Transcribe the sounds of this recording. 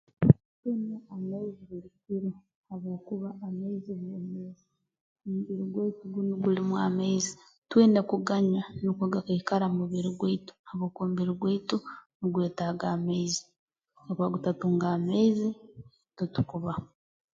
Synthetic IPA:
tweːneamaiziβiɾikiɾo | haβo̞ːkuβaːmeiziβemezi | omuβiɾiɡweituɡunuɡulimwaːmeizi | tweːndekuɡaɲwanukuɡakaikaɾamuβiɾiɡweitu̥haβoːkoːmuβiɾiɡweitunuɡweːtaɡaːmeizi | kaβwaɡutatuːŋɡaːmeizi | tutu̥kuβa

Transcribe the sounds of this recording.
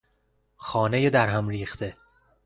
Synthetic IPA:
xɒːnejed̪æɾɦæmɾiːxt̪ʰe̞

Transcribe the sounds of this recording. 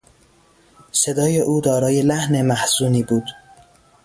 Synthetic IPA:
se̞d̪ɒːje̞ʔuːd̪ɒːɾɒːje̞læhne̞mæhz̥uːniːbuːd̪̥

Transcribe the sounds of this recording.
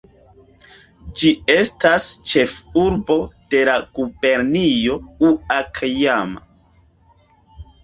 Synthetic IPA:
d͡ʒie̞stast͡ʃe̞fuɾbo̞d̥e̞laɡ̥ube̞ɾnijo̞uakʰjama̰

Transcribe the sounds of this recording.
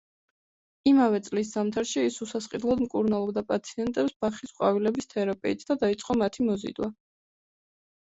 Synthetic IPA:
imavɛt̪sʼlis̬z̥amt̪ʰaɾʃiːsusasqʼid̪lˠad̪mkʼuɾnalˠɔbd̪apʼat̪sʰiɛnt̪ʼɛpsb̥aχisqʼwavilɛbist̪ʰɛɾapʼiit̪ʰd̪ad̪ait̪sʼqʼɔmat̪ʰimɔzḭd̪wa

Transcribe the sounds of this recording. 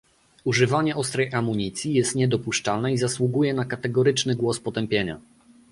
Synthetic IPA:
uʐɘvaɲɛʔɔst̪ɾɛjʔamuɲit̪sʲjijɛst̪ɲɛd̪ɔpuʂt͡ʂalnɛizaswuɡujɛnakat̪ɛɡɔɾɘt͡ʂnɘɡwɔspɔt̪ɛmpʲjeɲa̰

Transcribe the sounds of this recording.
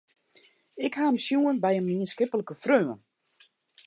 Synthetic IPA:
ɪkhaəmsjuːənbɛjəmmiənskɪpələkəfrøwə̰n

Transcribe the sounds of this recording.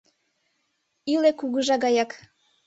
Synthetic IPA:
ilekuɣəʒɑɣɑjɑk

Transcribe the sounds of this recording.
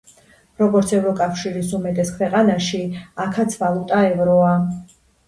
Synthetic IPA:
ɾɔɡɔɾt̪sʰɛvɾɔkʼafʃiɾisumɛt̪ʼɛskʰwɛqʼanaʃiakʰat̪sʰvalˠut̪ʼaɛvɾɔa

